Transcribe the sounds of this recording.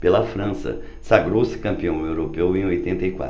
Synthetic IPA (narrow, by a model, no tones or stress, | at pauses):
pelɐfɾɐ̃sɐ̰ | saɡɾowsɪ̥kɐ̃mpiɐ̃w̃ewɾopewẽojt̪ẽnt̪ɐjkwa̰